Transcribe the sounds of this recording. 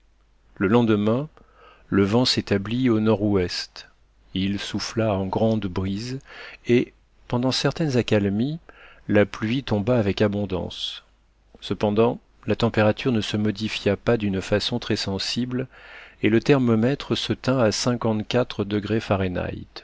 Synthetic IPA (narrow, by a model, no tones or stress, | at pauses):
ləlɑ̃d̪mɛ̃ | ləvɑ̃set̪ablionɔʁɛst̪ | ilsuflaɑ̃ɡʁɑ̃d̪bʁize | pɑ̃d̪ɑ̃sɛʁt̪ɛnzakalmilaplɥit̪ɔ̃baːvɛkabɔ̃d̪ɑ̰̃s | səpɑ̃d̪ɑ̃ | lat̪ɑ̃peʁat̪yʁnəsəmɔd̪ifjapad̪ynfasɔ̃t̪χɛsɑ̃siblelət̪ɛʁmɔmɛt̪χəsət̪ɛ̃asɛ̃kɑ̃t̪kʲat̪χəd̪əɡʁefaʁena̰jt̪